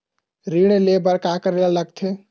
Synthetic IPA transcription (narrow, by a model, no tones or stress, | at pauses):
ɾiɽ̃elebəɾkakəɾelləɡ̚t̪ʰe